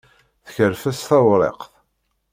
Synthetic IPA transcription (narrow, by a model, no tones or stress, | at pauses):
θəçəɾfæsθɑwɾˤḛqθ